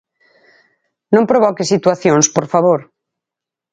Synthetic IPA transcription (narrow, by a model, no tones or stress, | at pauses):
nõmpɾoβ̞ɔkesit̪waθjonspoɾfaβ̞oɾ